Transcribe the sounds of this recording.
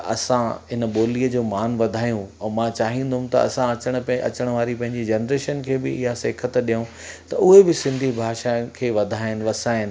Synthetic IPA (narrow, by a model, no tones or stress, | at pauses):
ɐ̰sãɪnəɓoːliːəd͡ʑoːmaːnʋɐd̪ʱaːjũɛ̃ːmãt͡ɕaːɦĩnd̪ʱʊ̃mt̪ɐ̰ɐ̰sãɐt͡ɕəɽ̃ʊ̆pɐ̰t͡ɕəɽ̃ʋaːɾipɐ̃ɦɪ̃ɲd͡ʑid͡ʑɐnɾeːʃənkʰeːbɪɪɦaseːkʰət̪ɗijũ | t̪ɐʊɦebɪsɪ̃nd̪ʱibʱaːʃaːkʰeːʋɐd̪ʱaːɪn̆ʋɐsaːɦɪn